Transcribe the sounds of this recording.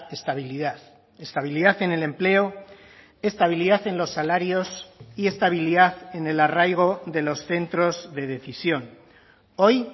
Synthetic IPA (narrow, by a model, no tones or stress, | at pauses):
e̞st̪aβiliðaθ | est̪aβ̞iliðaθe̞ne̞lẽ̞mple̞o̞ | est̪aβ̞iliðaθe̞nlo̞sːalaɾjo̞sie̞st̪aβ̞iliðaθe̞ne̞larajɣ̞o̞ðe̞lo̞sθe̞nt̪ɾo̞zðe̞ðe̞θisjo̞n | o̞j